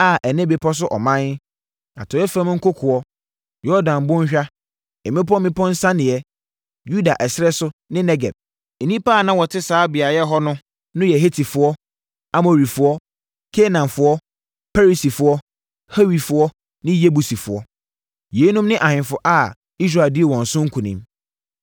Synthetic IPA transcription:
a˦˨ʔɛ˨nɛ̃˦be˨pʰɔ˦s̬ʊ˦ʔɔ˨mã˦n˦ | a̰˨tʰɔ˨˦ɛ˦fã˦m˦ŋ̩˦kʊ˦kʰʊ˨ɔ˦ | jɔ˦dã˨m˨bʊ̃˦ɲ˦ɕᶣa˦ | ɛ˨mɪ̃˦pɔ˦mɪ̃˦pʰɔ̃˦n̩˦sã˦nɪ̃˨ɛ˦ | ju˦da˨ʔɛ˨sɪ˦ɾɛ˦sʊ˦nɪ̃˦nɛ˦ɡɛ̰˨b̚ | e˨nĩ˦pa˦˨nã˦wɔ˨tʰɪ˦saː˨˦bi˨a˨jɛ˦ɦɔ˦nʊ̃˦ | nʊ̃˦jɛ˨ɦe˦tʰi˨fʊ˨ɔ˦ | a˨mo˨ɾi˨fʊ˨ɔ˦ | kʰe˦nã˨mfʊ˨ɔ˦ | pʰa˦ɾi˨si˨fʊ˨ɔ˦ | he˦wi˨fʊ˨ɔ˦ | nɪ̃˦je˦bu˨si˨fʊ˨ɔ˦ | je˨˦nũ˦mnɪ̃˦ʔa˨hɪ̃˨fʊ˨ʔa˦˨ | i˦s̬ɾa˦˨ldɪ˦ɛ˨wɔ̃˨n̩˨sʊ̃˦ŋ̩˦kʰũ˨nḭ̃˨m

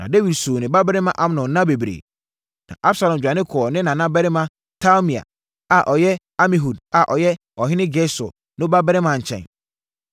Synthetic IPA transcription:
nã˨de˦wi˨dsuː˨nɪ̃˨ba˦bɛ˦ɾɪ˦mã˨ʔa˦m˦nɔ̃˨nnã˦be˨bɾḛː˨ | nã̰˨ʔa˦bsa˨lã˨m˨d͡ʑᶣa˨nɪ̃˦kʰɔ˨ɔ˨nɪ̃˦nã˨nã˦bɛ˦ɾɪ˦mã˦ | tʰa˦mi˨a̰˨ | a˨ʔɔ˨jɛ˦ | a˦mĩ˨ɦu˨da˨ʔɔ˨jɛ˦ | ɔ˨ɦɪ˦nɪ̃˦ɡɛ˦sʊ̰˨ | nʊ̃˦ba˦bɛ˦ɾɪ˦mã˨ɲ̩˨t͡ɕʰɛ̰̃˨n

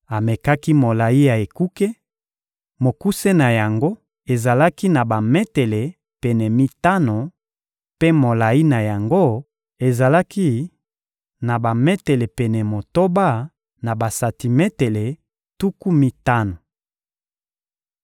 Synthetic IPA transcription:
a˨me˨ka˦ki˦mo˨la˨i˦ja˨e˨ku˦ke˦ | mo˨ku˦se˦na˨ja˨ŋɡo˦ | e˨za˨la˦ki˦na˨ba˨mɛ˦te˨le˨ | pɛ˨nɛ˨mi˦ta˦no˨ | pe˦mo˨la˨i˦na˨ja˨ŋɡo˦˨ | e˨za˨la˦ki˦ | na˨ba˨mɛ˦te˨le˨pɛ˨nɛ˨mo˨to˦ba˦˨ | na˨ba˨sa˨ti˨mɛ˦te˨le˨ | tu˦ku˦mi˦ta˦no˨

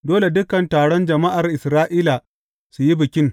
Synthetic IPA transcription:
doː˦le˨dʊ˦kɐ˨ntaː˨ɽɔ˦nd͡ʒɐ˨ma˦ʔa˨rʔɪ˨sɾaː˦ʔiː˦la˨ | su˨ji˦bɪ˨kʲɪ˦ŋ

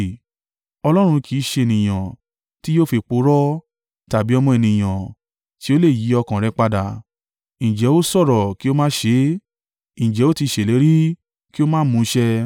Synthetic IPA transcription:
ɔ˧lɔ˦ɾ̃ũ˧kʰi˨˦ʃe˧e˨nĩ˨j̃ã˨ | ti˦jo˦fe˧k͡po˨˧˦ɾɔ˦ | ta˨bi˨˦ɔ˧mɔ̃˧ɛ˧nĩ˨j̃ã˨ | ti˦o˦le˦˨ji˨˦ɔ˧kã˨ɾɛ˧˦k͡pa˧da˨ | ĩ˨d͡ʒɛ˨˦o˦sɔ˦˨ɾɔ˨ki˦o˦mãː˦ʃe˧˦ | ĩ˨d͡ʒɛ˨˦o˦ti˧ʃe˨le˨˦ɾi˦ | ki˦o˦mãː˦mũ˨˦ʃɛ˦

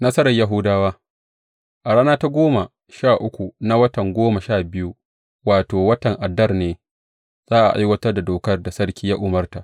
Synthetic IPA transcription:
nɐ˦sɐ˦ɾɐ˨ja˦ɦʊ˦daː˦waː˦ | ʔa˨ɽaː˦naː˦ta˦ɡʷoː˦ma˨ | ʃaː˦˨ʔʊ˦kʷu˨na˦wɐ˦tɐ˨ŋɡʷoː˦ma˨ʃaː˦˨bɪ˦ju˦ | waː˨toː˨wɐ˦tɐ˨ŋʔa˨dɐ˦rneː˨ | z̥aː˦ʔa̰˨ʔa̰˦jwɐ˦tɐ˦rda˨doː˨kɐ˦rda˨sɐ˦ɽkʲiː˦ja˦ʔʊ˨mɐ˦rta˨ʔ

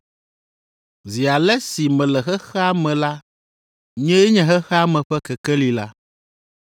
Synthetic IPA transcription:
zi˨a˨lɛ˦si˨mɛ̃˨lɛ˨xɛ˦xɛ˦a˦mɛ̃˨la˦ | ɲɛ̃˦jɛ˦ɲɛ̃˦ɦɛ˦xɛ˦a˦mɛ̃˨ɸɛ˦kɛ˨kɛ˦li˨la˦

